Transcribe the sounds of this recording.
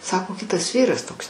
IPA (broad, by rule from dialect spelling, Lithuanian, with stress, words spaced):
ˈsɑːkoː ˈkʲɪtɐs ˈʋʲiːrɐs ˈtoːks